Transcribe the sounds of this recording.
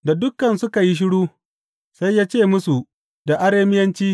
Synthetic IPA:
da˨dʊ˦kːɐ˨nsʊ˦ka˨ji˦ʃ̬ɪ˦ɽuː˦ | sa˦jːaː˦t͡ʃeː˦˨mʊ˦su˨ | da˨ʔa˦ɽeː˦mɪ˦jɐ˦nt͡ʃiː˦

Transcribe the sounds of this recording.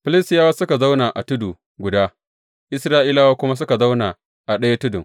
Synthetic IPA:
ɸɪ˦lɪ˦stɪ˦jaː˦waː˦sʊ˦ka˨za˦wna˨ʔa̰˨tʊ˦duː˨ | ɡʷʊ˨daː˦ | ʔɪ˦sɾaː˦ʔiː˦laː˦waː˦kʷʊ˦ma˦s̬ʊ˦ka˨za˦wnaː˨ | ʔa˨ɗɐ˦ja˦tʊ˦dʊ˨ŋ

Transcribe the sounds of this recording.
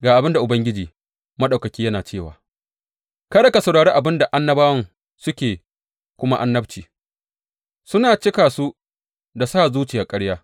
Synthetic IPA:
ɡaː˨ʔa˨bɪ˦nda˨ʔʊ˨bɐ˦ŋɡʲɪ˦d͡ʒiː˨ | mɐ˦ɗa˨wkɐ˨kʲiː˦jɐ˦naː˨t͡ʃeː˦˨wa̰ː˨ | kɐ˦ɗɐ˨ka˨sɐ˨ɽaː˨ɽeː˦ʔa˨bɪ˦nda˨ʔa˦nːɐ˦baː˦wɐ˦ŋ | sʊ˦kʲeː˨ | kʷʊ˦ma˦ʔa˦nːɐ˦bt͡ʃiː˨ | sʊ˦naː˨t͡ʃɪ˦kaː˨su˦ | da˨saː˦˨zuː˦t͡ʃɪ˨jaː˨kʼɐ˦ɽjaː˦

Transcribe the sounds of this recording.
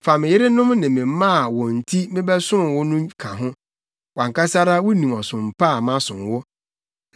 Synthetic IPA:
fa˨mɪ̃˨jɪ˦ɾɪ˦nʊ̃˦mnɪ̃˨mɪ̃˨m˦mã˦˨wɔ̃˨n̩˨tʰi˦mɪ̃˦bɛ˦sʊ̃˦m˨wʊ˦nʊ̃˦mkʰã˨ɦʊ̃˦ | wã˨ŋka˦sa˦ɾa˦wʊ˦nĩ˨mɔ˨sʊ̃˨m̩˨pʰa˦˨mã˦sʊ̃˨nwʊ˦

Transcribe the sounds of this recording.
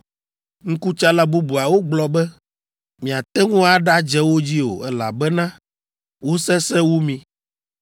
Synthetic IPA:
ŋ̩̃˦ku˦t͡ʃa˦la˦bu˦bu˨a˨wo˦ɡ͡blɔ˨bɛ˦ | mĩ˨a˨t̪ɛ˦ŋũ˦a˨ɖa˦d͡ʒɛ˦wo˦d͡ʑi˦o̰˨ɛ˦la̰˨bɛ˦nã˦ | wo˦sɛ˦sɛ˦wu˦mĩ˦

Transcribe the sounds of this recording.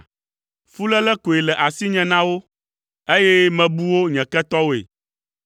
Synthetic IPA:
fu˦lɛ˦lɛ˦ko˨e˨lɛ˨ʔa˨si˦ɲɛ̃˨nã˦wo˦ | e˦jɛ˦mɛ̃˨bu˦wo˦ɲɛ̃˨kɛ˦t̪ɔ˦wo˦ḛ˨

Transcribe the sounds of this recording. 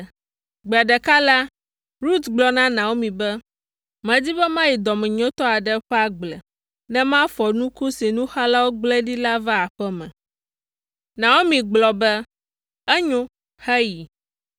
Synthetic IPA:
ɡ͡bɛ˨a˨ɖɛ˨ka˦la˦ | ɾu˦t̪ɡ͡blɔ˦nã˦nã˨wo˦mĩ˨bɛ˦ | mɛ̃˨d͡ʑi˦bɛ˦mã˦ji˨d̪ɔ˨mɛ̃˨ɲɔ̃˦t̪ɔ˦a˨ɖɛ˦ɸɛ˦a˦ɡ͡blɛ˨ | nɛ̃˦mã˦fɔ˨nũ˦ko˦si˨nũ˦xa˦la˦wo˦ɡ͡blɛ˦ɖi˦la˦va˦a˨ɸɛ˦mɛ̰̃˨ | nã˨wo˦mĩ˨ɡ͡blɔ˨bɛ˦ | ɛ˦ɲõ˦ | xɛ˦ji˨

